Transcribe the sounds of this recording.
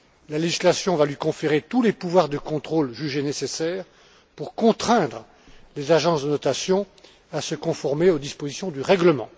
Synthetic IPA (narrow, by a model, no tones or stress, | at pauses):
laleʒislasjɔ̃valɥikɔ̃feʁet̪ulepuvwaʁd̪əkɔ̃t̪χolʒyʒenesesɛːʁ | puʁkɔ̃t̪χɛ̃d̪ʁə | lezaʒɑ̃sd̪ənɔt̪asjɔ̃ | asəkɔ̃fɔʁmeod̪ispozisjɔ̃d̪yʁɛɡləmɑ̰̃